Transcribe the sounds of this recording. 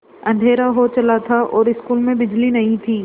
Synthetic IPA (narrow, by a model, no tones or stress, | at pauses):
ɐ̃n̆d̪ʱeːɾaɦot͡ʃɐlat̪ʰaʔɔːɾɪskuːlmẽbɪd͡ʑlinɐɦĩt̪ʰiː